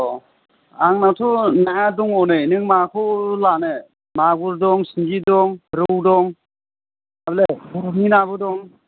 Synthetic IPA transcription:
ɔ | aŋnatʰunaaduŋɔnɯnɯŋmakʰulane | maɡuɾdɔŋsiŋɡidɔŋɾɯwdɔŋ | ablebuɾŋinabɯdɔŋ

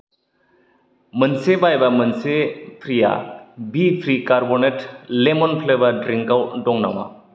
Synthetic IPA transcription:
mənsebajbamənsepʰɾija̰bipʰɾikaɾbɔneʈlemɔnpʰlebaɖɾiŋkawɖɔŋna̰wa̰

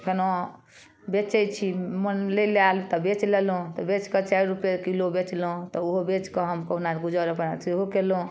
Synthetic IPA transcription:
pʰeno | bet͡ʃɛjt͡ʃʰimənlelalt̪ɔbet͡ʃlelõt̪ɔbet͡ʃkət͡ʃajɾɾupjekilobet͡ʃlũt̪ɔoɦobet͡ʃkɔɦəmkəɦunaɾɡud͡ʒaɾəpnasiɦokelõ

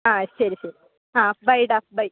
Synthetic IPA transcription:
aːsɐɾisɐɾi | ãːbɐjʈap̚bɐj

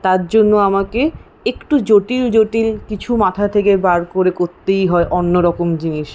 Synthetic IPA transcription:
t̪aɾd͡ʑonːoamake | ekʈud͡ʑoʈild͡ʑoʈilkit͡ɕʰumat̪ʰat̪ʰekebaɾkoɾekoɾt̪ejɦɔeʔɔnːoɾɔkomd͡ʑiniʃ

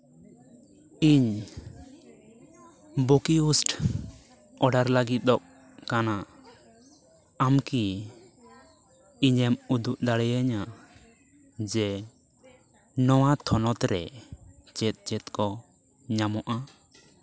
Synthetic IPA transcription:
iɲ | bokiusʈ | ɔɖaɾlaɡit̪̚ˀd̪ɔʔ̚ | kana | mki | ɲɛmud̪uʔd̪aɽɛjaɲa | d͡ʒɛ | nɔwat̪ʰɔnɔt̪ɾɛ | t͡ʃɛt̪̚ˀt͡ʃɛt̪̚kɔ | ɲamɔʔa

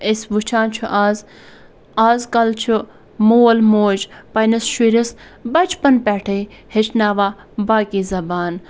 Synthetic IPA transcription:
esʋut͡ʃʰaːnt͡ʃʰuʔaːz | aːzkɐlt͡ʃʰu | moːlmoːd͡ʒpɐjnɐsʃiɾis | bɐt͡ʃʰpɐnpɛːʈʰe | het͡ʃʰnaːʋaː | baːkiːzɐbaːn

